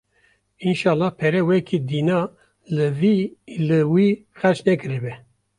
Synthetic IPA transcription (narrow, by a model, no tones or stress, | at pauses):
inʃɑːlːɑːhpʰɛɾɛwɛkʰid̪iːnɑ | vilɨwiːxɛt͡ʃnɛkɨɾɛbɛ